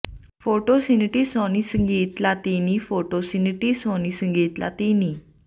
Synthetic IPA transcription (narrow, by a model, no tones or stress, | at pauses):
foʈosinʈiːsɔnisəŋɡʱiːt̪lat̪inifoʈosinʈiːsɔnisəŋɡʱiːt̪la̰t̪iniː